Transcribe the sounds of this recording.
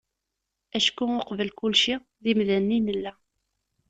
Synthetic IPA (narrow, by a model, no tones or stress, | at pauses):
æʃkːuoqvəlkulʃi | ðimðænːinəlːæ